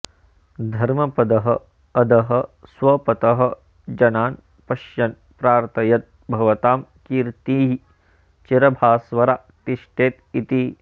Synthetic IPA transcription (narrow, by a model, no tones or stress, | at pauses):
d̪ʱɐɾmɐpɐd̪ɐɦɐ̆ː | d̪ɐɦɐ̆sʋɐpɐt̪ɐɦɐ̆ | d͡ʒɐnaːn | pɐʃjɐn | pɾaːɾt̪ʰɐjɐt̪̚ | bʱɐʋɐt̪aːmkiːɾt̪iːɦi | t͡ʃiɾɐbʱaːsʋɐɾa | t̪iʃʈeːt̪it̪i